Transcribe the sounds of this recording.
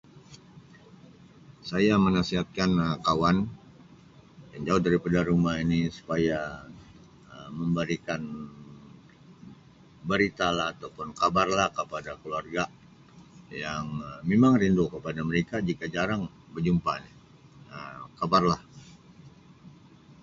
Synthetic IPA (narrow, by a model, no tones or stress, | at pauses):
sajamənasiɦat̪̚kanəkawan | jaŋd͡ʒaʊhdaɾipadaɾumainisu̥paja | əməmbəɾikan | bəɾit̪alaɦːt̪awpʊnkabarlahkəpadakəluarɡa | jaŋmemaŋrindokəpadaməɾekad͡ʒikad͡ʒaɾaŋ | bərd͡ʒumpani | əkabarlah